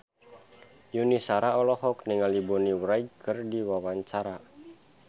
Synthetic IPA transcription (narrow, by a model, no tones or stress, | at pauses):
junisaɾaɔlɔhɔkniŋalibɔniwɾaiɡkɨrdiwawaɲt͡ʃaɾa